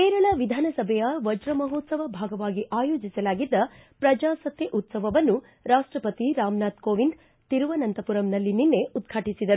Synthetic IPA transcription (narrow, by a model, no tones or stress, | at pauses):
kɛːɾɐɭɐʋid̪ʱaːnɐsɐbʱɛjɐʋɐd͡ʒɾɐmɐɦoːt̪sɐʋɐbʱaːɡɐʋaːɡiʔaːjoːd͡ʒisɐlaːɡid̪ːɐpɾɐd͡ʒaːsɐt̪jɐʔut̪sɐʋɐʋɐnːu | ɾaːʂʈɾɐpɐt̪iɾaːmnaːt̪koːʋind̪ | t̪iɾuʋɐnɐnt̪ɐpuɾɐmnɐlːininːe̞ʔud̪ɡʰʱaːʈisid̪ɐɾu